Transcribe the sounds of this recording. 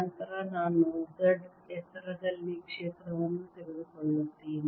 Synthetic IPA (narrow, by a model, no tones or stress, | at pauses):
ɐnt̪ɐɾanaːnːud̪ɐɖ | ɛt̪ɐɾɐd̪ɐlːikʂeːt̪ɾɐʋɐnːut̪eɾud̪ukoɭːut̪ːin